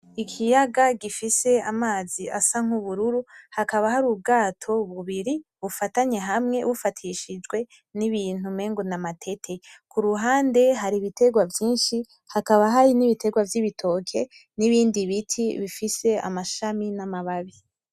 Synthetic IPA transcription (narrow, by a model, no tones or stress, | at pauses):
ikʰijaɡaɡifise̞amaːziasaŋ̥uβuɾuɾuhakaβahaɾub̚ɡaːtʰo̞βuβiɾiβufataɲe̞ɦamŋe̞̰βufatʰiʃid͡ʒɡwe̞ | niβiːn̥hume̞ːŋɡonamatʰe̞tʰe̞kʰuɾuɦaːnde̞ɦaɾiβitʰe̞ɡwavjiːnʃi | hakaβaɦaɾiniβitʰe̞ɡwavjiβitʰo̞ːkʰe̞ | niβiːndiβitʰiβifise̞a̰maʃaminamaβaβi